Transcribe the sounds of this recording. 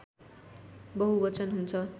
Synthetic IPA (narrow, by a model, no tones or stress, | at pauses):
bʌɦubʌt͡sʌnɦunt͡sʰʌ